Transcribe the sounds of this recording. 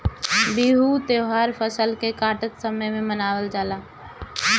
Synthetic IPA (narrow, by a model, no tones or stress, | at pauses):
biːɦut̪eːɦaːɾpʰəsəlkekaːʈət̪səməjmẽmənaːwəld͡ʒaːlaː